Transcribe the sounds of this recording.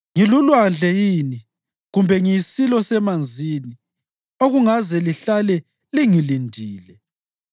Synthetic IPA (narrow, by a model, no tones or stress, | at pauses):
ŋilulwand͡ɮʱɛjiːni | ɣumbʱɛŋisilɔsɛmand͡zʱini | oɣuŋazɛliɬalɛ | liŋilindʱiːlɛ